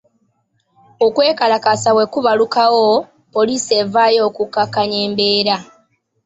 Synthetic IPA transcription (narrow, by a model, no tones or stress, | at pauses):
o̞kwe̞ːkalakasawe̞kuβalukawo | po̞liːse̞vaːjo̞ːkukakaɲe̞ːmbe̞ːɾa